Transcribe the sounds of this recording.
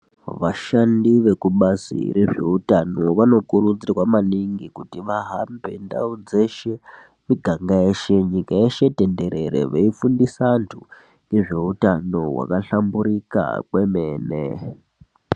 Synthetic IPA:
ʋaʃandiʋe̞kuɓasḭre̞ʐe̞̰utano̞ʋano̞kuɾud͡zirwamaniŋɡikutiʋaɦambe̞̰nda̰ud͡ze̞ʃe̞ | miɡʱaŋɡaeʃe̞ɲikaeʃe̞te̞nde̞ɾe̞ɾe̞̰ʋeifundisantʰu | ŋɡe̞ʐe̞utano̞wa̰kaɬambuɾika̰kwe̞me̞ːnḛ

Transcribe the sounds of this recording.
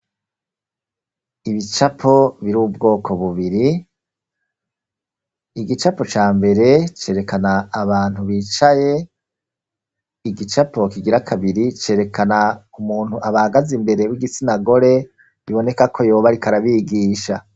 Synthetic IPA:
iβit͡ʃapʰo̞βiɾuːβubɡo̞ːkʰo̞βuβiɾi | iɡit͡ʃapo̞t͡ʃaːmbe̞ɾe̞t͡ʃe̞ːɾe̞kanaːβaːn̥huβiːt͡ʃaje̞ | iɡit͡ʃapʰo̞kiɡiɾakʰaβiɾit͡ʃe̞ɾe̞kʰanaumuːnhuaβahaɡazimbe̞ɾe̞wiɡit͡sinaɡo̞ɾe̞ | ɾiβo̞ne̞kakʰo̞joːβaɾikaɾaβiːɡiːʃa

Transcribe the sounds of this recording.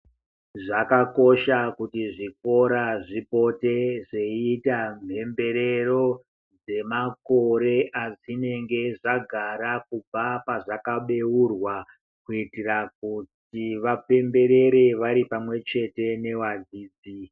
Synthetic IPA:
ʐakako̞ʃakutiʐik̚o̞ɾaʐipo̞te̞ʐe̞itam̤ʱe̞mbe̞ɾe̞ro̞ | d͡ze̞mako̞ɾe̞ʔazine̞ŋɡe̞ʐaɡʱaɾakub͡vapaʐakaɓe̞wurwa | kuitirak̚ut | iʋape̞mbe̞ɾe̞ɾeʋaɾipamwe̞t͡ʃe̞te̞ne̞wad͡ziːd͡zi

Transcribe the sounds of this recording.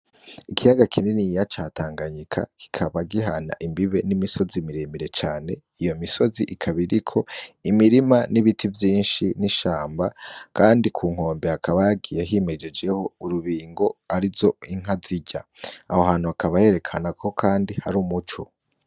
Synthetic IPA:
ikijaɡakʰininijat͡ʃaːtaːŋɡaɲikʰa̰ki̥kʰaβaɡiɦana̰ʔimbiβe̞nimiso̞zimiɾemiɾe̞t͡ʃaːne̞ | ijo̞miso̞ziʔikʰaβiɾikʰo̞imiɾimaniβitʰivjiːnʃiniʃaːmbakaːndikʰuːŋ̥o̞ːmbeakʰaβajaɡijeɦime̞d͡ʒe̞d͡ʒe̞ho̞uɾuβiːŋɡo̞aɾizo̞iŋ̥aziɟaːhoɦaːnuakaβaje̞ɾe̞kʰanakʰo̞kʰaːndihaɾumut͡ʃo

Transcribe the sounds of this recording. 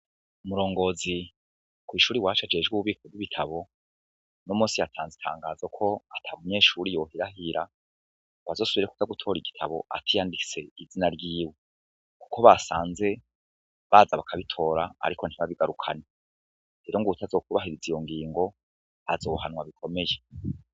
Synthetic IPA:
umuɾo̞ːŋɡo̞ːzi | kwiːʃuːɾiwaːt͡ʃad͡ʒe̞d͡ʒɡuβuβiːkʰovwiβitʰaβo̞ | nomuːsijatʰaːnzitʰa̰ːŋɡaːzakʰo̞atʰamuɲe̞ːʃuɾijo̞hiɾaɦiɾa | βazo̞ːsuβiɾeku̥taɡutʰo̞ːɾiɡitʰaβo̞̰ʔa̰tʰijandise̞̰izinaɾɡiːwe | ku̥kʰo̞βasa̰ːnze̞ | βazaβakʰaβitʰo̞ːɾa̰ːɾiko̞n̥hiβaβiɡaɾukʰa̰ne | eɾoŋɡuutʰazo̞ːk̚uβaɦiɾizijo̞ŋɡiːŋɡo̞ | azo̞ːhanwaβikʰo̞me̞je

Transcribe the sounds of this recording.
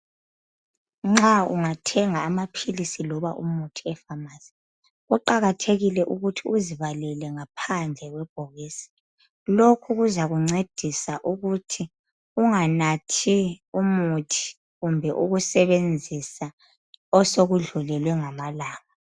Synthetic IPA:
ŋ͡ǁauŋatʰɛŋaːmapʰilisilɔβaʔumutʰiɛfamaːsi̥ | uǃaɣatʰeɣilɛʔuɣutʰiuziβalɛlɛŋapʰand͡ɮʱɛɣwɛb̥̚ʱɔɣeːsi̥ | lokʰuɣuzaɣuŋ͡ǀed̥ʱisaʔuɣutʰi | uŋanatʰiumutʰi̥ | ɣumbʱɛʔuɣusɛβend͡zʱisa | ɔsoɣuɮulɛlwɛŋamalaːŋa

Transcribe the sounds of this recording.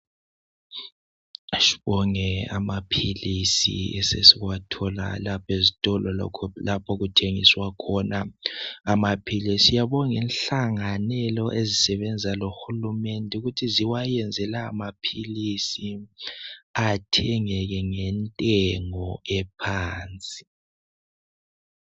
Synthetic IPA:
ʃi̥βɔŋɛa̰mapʰilisḭɛsḛsiwatʰɔla̰lapʰezitʼɔlɔ̰kʰlapʰoɣutʰeŋḭswakʰɔnaamapʰilɛsijaβɔŋɛnɬaŋanɛlɔʔezisɛβɛnd͡zʱaloxulumɛndʱɛuɣutʰiziwajɛnd͡zʱɛla̰ːmapʰilisi | atʰɛŋɛɣɛŋɛntʼɛŋɔɛpʰaːnt͡sʼi̥

